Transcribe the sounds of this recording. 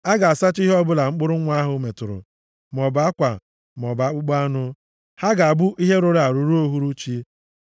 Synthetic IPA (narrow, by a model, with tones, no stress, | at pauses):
a˦ɡa˨a˨sa˦t͡ʃi˦ɦɔ˦bʊ˦la˨ŋ͡m̩˦k͡pʊ˦ɾʊ˦ŋʷ˦a˦ɦʊ˨˦me˨tʊ˨ɾʊ̰˨ | m˨ɔ˨ba˦kʷa̰˨ | m˨ɔ˨ba˦k͡pʊ˦k͡pa˦nʊ˦ | ha˦ɡa˨a˨bʊ˦ʔi˦ɦe˦ɾo˦ɾa˨ɾu˨ɾu˦o˦ɦu˦ɾu˦t͡ʃi˦